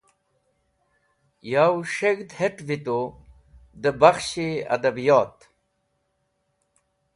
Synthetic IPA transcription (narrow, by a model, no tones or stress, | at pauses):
jaːwʂeɡd̪heʈvit̪o | d̪əbaxɕeɐ̰d̪ɐbijɑːt̪